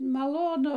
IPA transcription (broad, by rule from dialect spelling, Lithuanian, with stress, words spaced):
mɐˈlˠoːnʊ